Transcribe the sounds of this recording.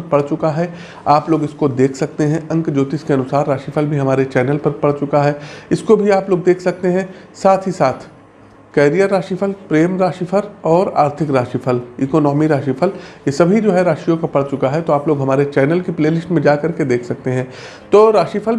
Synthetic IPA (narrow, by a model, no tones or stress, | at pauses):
pɐɽ̤t͡ʃʊkaɦɛ | aːploːɡɪskod̪eːkʰsɐk̚t̪eɦɛ̃ɐ̃ŋkd͡ʒoːt̪ɪskeɐnʊsaːɾːaːʃifʰəlbʱiɦɐmaːɾet͡ʃɛːnəlpɐɾpɐɽ̤t͡ʃʊkaɦɛɪskobʱiaːploːɡ̚d̪eːkʰsɐk̚t̪eɦɛ̃ | saːt̪ʰɦisaːt̪ʰ | kɛːɾijəɾːaːʃifʰəlpɾeːmɾaːʃifʰəɾɔːɾa̰ːɾt̪ʰɪkɾaːʃifʰəliːkoːnɔːmiɾaːʃifʰəljesɐbʱid͡ʒoːɦɛɾaːʃijõkapɐɽt͡ʃʊkaɦɛt̪oaːploːɡɦɐmaːɾet͡ʃɛːnəlkipleːlɪsʈmẽd͡ʒaːkɐɾked̪eːkʰsɐk̚t̪eɦɛ̃ː | t̪oːɾaːʃifʰəl